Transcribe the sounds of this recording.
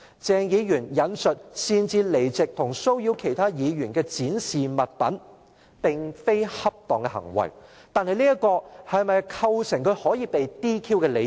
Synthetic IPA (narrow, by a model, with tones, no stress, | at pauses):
t͡sɛː˨˧ŋjiː˨˧jyː˨˩njɐ˨˧nsɵ˨t̚siː˧nt͡siː˧le˨˩jt͡sɪ˨k̚t̪ʰʊ˨˩ŋso˥wji˧wkʰe˨˩jt̪ʰaː˥jiː˨˧jyː˨˩nkɛː˧t͡siː˨˥nsiː˨mɐ˨t̚pɐ̰˨˥n | pɪ˨ŋfe˥jhɐ˥p̚t̪ɔː˨ŋkɛ˧hɐ̰˨˩ŋwɐ̰˨˩j | t̪aː˨˧nhɐ˨jliː˥jɐ˥kɔː˧hɐ˨jmɐ˨jkʰɐ˧wsɪ˨˩ŋkʰɵ˨˧ɥhɔː˨˥jiː˨˧pe˨jt̪iː˥kʰiː˥wkɛː˧le˨˧